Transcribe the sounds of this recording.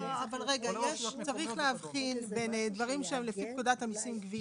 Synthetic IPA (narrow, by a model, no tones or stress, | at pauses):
oavalʁeɡajeʃt͡saʁiχleɦavχinbe̞nd̪vaʁimʃeemlefip̚kudat̪amisimɡvi